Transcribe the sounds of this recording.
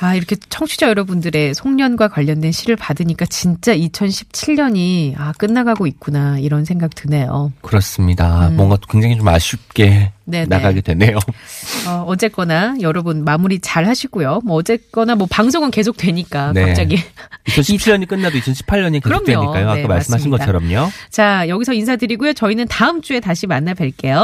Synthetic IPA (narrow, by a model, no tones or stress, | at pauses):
aiɾʌkʰe̞t͡ɕʰʌŋt͡ɕʰud͡ʑʌjʌɾʌbundɯɾe̞sʰoŋɲʌnɡwakwaʎːʌndwenɕʰiɾɯɭpadɯɲik͈at͡ɕint͡ɕ͈ait͡ɕʰʌnɕʰi̥p̚t͡ɕʰiʎɲʌɲiak͈ɯnːaɡaɡoik̚k͈unaiɾʌnsʰe̞ŋɡaɡtʰɯne̞jo̰kɯɾʌs͈ɯmɲidamwʌŋɡat͈okweŋd͡ʑaŋit͡ɕoma̰ɕʰip̚k͈e̞ne̞na̰ɡaɡedwe̞ne̞joʌʌd͡ʑe̞k͈ʌnajʌɾʌbɯnmamuɾit͡ɕaɭɦaɕʰiɡujomwʌʌd͡ʑe̞k͈ʌnamwʌpaŋs̬ʰoŋɯnke̞sʰok̚t͈we̞ɲik͈akneapt͡ɕ͈aɡiit͡ɕʰʌnɕʰipt͡ɕʰijʌɲik͈ɯnːadoit͡ɕʰʌnɕʰi̥pʰaʎɲʌɲikeɯɾʌmɲ̚tweoik͈ajoak͈ːamaɭs͈ɯmɦaɕʰinɡʌt͡ɕʰʌɾʌmɲot͡ɕajʌɡisʰʌinsʰadɯɾiɡujot͡ɕʌinɯntaɯmt͡ɕ͈ue̞taɕʰimanːabeɭk͈e̞jo